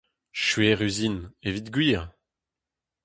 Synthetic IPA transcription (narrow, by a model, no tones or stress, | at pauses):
ʃɥeʁyzinevit̪ɡɥiːʁ